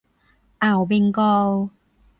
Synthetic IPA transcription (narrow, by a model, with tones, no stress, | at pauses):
ʔa˨˩wbe˧ŋkɔː˧w